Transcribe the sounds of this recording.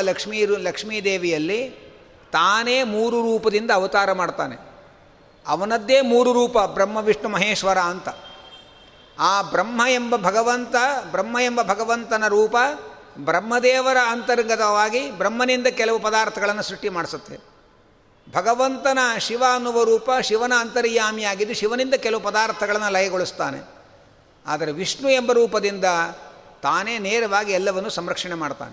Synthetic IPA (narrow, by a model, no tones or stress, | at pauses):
lɐkʂmiːlɐkʂmiːd̪eːʋijɐlːi | t̪aːneːmuːɾuɾuːpɐd̪ind̪ɐːʋɐt̪aːɾɐmaːɽt̪aːnḛ | ɐʋɐnɐd̪ːeːmuːɾuɾuːpɐbɾɐmːɐʋiʂɳɐmɐɦeːʂʋɐɾaːɐnt̪ɐ | aːbɾɐmːɐembɐbʱɐɡɐʋɐnt̪ɐbɾɐmːɐembɐbʱɐɡɐʋɐnt̪ɐnɐɾuːpɐ | bɾɐmːɐd̪ɛːʋɐɾɐːnt̪ɐɾŋɡɐt̪ɐʋaːɡibɾɐmːɐnind̪ɐkɛlɐʋupɐd̪aːɾt̪ʰɐɡɐɭɐnːusɾuʂʈːimaːɽisut̪ːe | bʱɐɡɐʋɐnt̪ɐnɐʃiʋaːnuʋɐɾuːpɐʃiʋɐnɐːnt̪ɐɾiːjaːmjaːɡid̪ːuʃiʋɐnind̪ɐkɛlɐʋupɐd̪aːɾt̪ʰɐɡɐɭɐnːulɐjɐɡoɭust̪aːnḛ | a̰ːd̪ɐɾeʋiʂɳuembɐɾuːpɐd̪ind̪ɐt̪aːneːneːɾɐʋaːɡiɛlːɐʋɐnːusɐmɾɐkʂɐɳemaːɽt̪a̰ːne